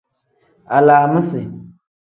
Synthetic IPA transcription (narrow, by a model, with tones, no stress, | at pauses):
a˨laː˨mə̃˦sɪ˨